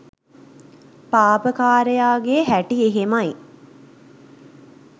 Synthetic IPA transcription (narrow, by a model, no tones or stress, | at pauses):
paːpəkaːɾejaːɡeɦæʈieɦemaj